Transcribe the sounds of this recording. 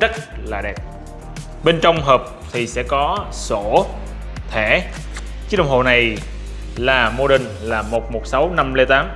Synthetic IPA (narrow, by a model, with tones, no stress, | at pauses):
zə˦˥t̚laː˨˩ɗɛ˨˩p̚ | ɓe˧nt͡ɕɔ˧wŋ͡mɦəː˨˩p̚t̪ʰi˨˩sɛ̰˧˥kɔ˨˦so˧˩˨ | t̪ʰɛ˧˩ | t͡ɕɗə̰˨wŋ͡mho̰˧˨na˨˩j | laː˨˩mo˧ɗï˨˩ŋ̟laː˨˩mo˨˩t̚mo˨˩t̚sa˨˦wna˧mle˧t̪aː˨˦m